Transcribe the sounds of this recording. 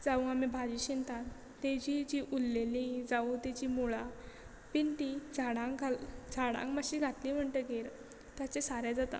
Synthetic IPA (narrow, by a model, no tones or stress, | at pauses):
d͡zaũamibʱad͡ʑiːɕint̪ãn | t̪ed͡ʑid͡ʑiʔulːelid͡zaut̪ed͡ʑiːmuɭa | pint̪id͡zʱaɽãɡad͡zʱaɽã̰ŋkmaɕiːɡʱat̪liːm̤əɳʈəɡeɾ | t̪jat͡sesaɾɛ̃d͡zat̪a̰